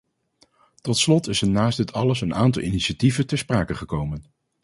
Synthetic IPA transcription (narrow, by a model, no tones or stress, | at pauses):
tɔtslɔtɪsənaːst̚ɦətʰɑləsənaːntɑlˠiniʃativəntəspraːkəχəkowmən